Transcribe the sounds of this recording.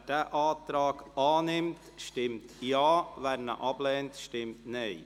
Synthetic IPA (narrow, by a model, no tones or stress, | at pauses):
d̥ɛʔɑːtɾɑːɡɑːnɪmtʃtɪmtjɑːvæɾnə̰ʔɑblɛːntʃtɪmtne